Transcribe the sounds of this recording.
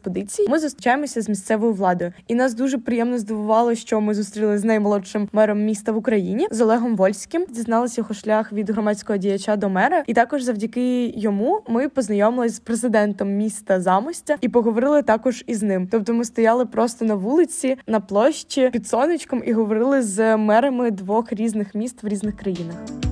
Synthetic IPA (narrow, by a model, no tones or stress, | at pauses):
pɔd̪ɪt͡sʲijimɪzʊst̪ɾʲɪt͡ʃajemɔsʲɐzmʲisʲt̪sɛʋɔjʊʋlˠɑd̪ɔjʊinɑsd̪uʒɛpɾɪjɛmnɔzd̪ɔʋʊʋɑlˠɪʃt͡ʃɔmɪzust̪ɾʲilˠɪznɐjmɔlˠɔʃɪmːɛɾɔmːʲist̪ɐʋʊkɾɐjinʲizɔlˠɛɦɔmʋɔlʲsʲkɪmdʲiznɑlˠɪsʲjɐɦɔʃlʲaxʋʲid̪ɦɾɔmɑt͡sʲkɔɦɔdʲijɐt͡ʃad̪ɔmɛɾɐit̪ɑkɔʒzɐwdʲɐkɪjɔmumɪpɔznɐjɔmɪlˠɪzʲpɾezɪd̪ɛnt̪ɔmːʲist̪ɐzɑmɔsʲtʲɐipɔɦɔʋɔɾɪlˠɪt̪ɑkɔʒiznɪmt̪ɔp̚t̪ɔmɪst̪ɔjɑlˠɪpɾɔst̪ɔnɐʋulˠɪt͡sʲinɐplˠɔʃt͡ʃʲipʲid̪sɔnɪt͡ʃkɔmiɦɔʋɔɾɪlˠɪzmɛɾɐmɪd̪ʋɔxɾʲiznɪxmʲist̪ʋɾʲiznɪxkɾɐjinɐx